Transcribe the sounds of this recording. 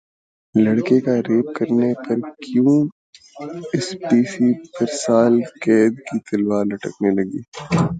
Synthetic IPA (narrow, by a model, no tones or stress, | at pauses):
lɐɽkekaɾeːp̚kɐɾnepɐɾkjũː | ɪspiːʃipɐɾsaːlkɛːd̪kit̪ɐlwaːɾlɐʈə̰knelɐɡiː